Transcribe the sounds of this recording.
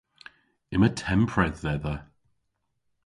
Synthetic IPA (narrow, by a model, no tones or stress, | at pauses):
ɪmətʰɛmpʰɹɛðːɛðə